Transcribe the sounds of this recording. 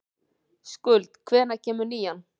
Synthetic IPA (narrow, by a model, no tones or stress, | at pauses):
skʏlt̪kʰvɛːɾnacʰɛːmʏɾniːjan